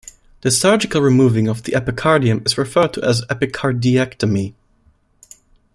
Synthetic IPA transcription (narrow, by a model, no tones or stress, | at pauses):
ðɨsɑɹd͡ʒɨkəl̩ˠɹimuvɪ̃ŋʌvðiʔɛpɨkʰɑɹdiɨ̃mɨzɹɨfɜ˞d̚tʰəʔəzɛpɨkʰɑɹdiɛktəmi